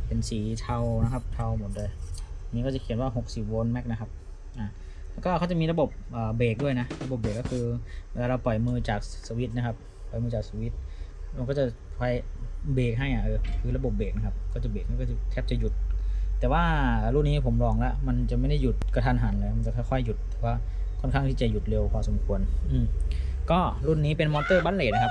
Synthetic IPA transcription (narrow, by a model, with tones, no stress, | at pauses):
pe˨nsiː˨˩˦t̪ʰa˧wna˦˥kʰa˦˥p̚t̪ʰa˧wmo˨˩˦t̪̚doː˧˦jniː˧˥kɔ˥˩t͡ɕa˨˩kʰi˨˩˦nwaː˥˩ɦo˨˩k̚si˨˩p̚wo˧nmɛ˦˥k̚na˦˥kʰa˦˥p̚ | ʔaː˨˩ | lɛ˦˥˩kɔː˥˩kʰa˥˩wt͡ɕa˨˩˨miː˧ɾla˧bo˨˩p̚ʔaː˨˩beː˨˩k̚du˥˩əjna˦˥ɾa˧bo˨˩p̚beː˨˩kːɔː˥˩kʰɯː˧weː˧laː˧ɾa˧wpɔ˨˩jmɯː˧t͡ɕaː˨˩k̚sa˧wi˦˥t̪̚na˦˥kʰa˦˧˥p̚ | pːɔ˨˩jmɯː˧t͡ɕaː˨˩k̚sa˧wi˦˥t̪̚m˧nkɔː˥˩t͡ɕa˨˩pʰa˧˩jbeː˨˩k̚ɦa˥˩ja˨˩ʔɤː˧˩kʰɯː˧la˧bo˨˩p̚beː˨˩k̚na˧kʰa˦˥p̚kɔː˥˩t͡ɕa˨˩beː˨˩k̚na˧˥˩kɔː˥˩a˧˩t̪ʰɛː˧˩p̚t͡ɕa˨˩ju˨˩t̪̚ːɛː˨˩waː˥˩˨ɾu˧˥˩nːiː˦˥˩pʰo˩˦mlɔː˧˩ŋlɛ˦˥ʔma˧nt͡ɕa˨˩ma˥˩jda˥˩ju˨˩t̪̚ka˧t̪ʰaː˧nɦaː˩˦nlɤː˧jm˧t͡ɕa˨˩kʰɔ˥˩jkʰɔ˧˥˩jːu˨˩t̪̚ːɛː˨˩waː˧˥˩ | kʰɔ˧˥˩nkʰaː˧˥˩ŋt̪ʰiː˧˩t͡ɕa˨˩ju˨˩t̪̚le˧wkʰaː˧so˩˦mkʰu˧ənʔɯː˧˩m | kɔː˥˩ɾu˧˥˩nːiː˦˥pe˧nmɔː˧t̪ɤː˧˥˩baː˧˥˨leː˨˩na˦˧kʰa˧˥p̚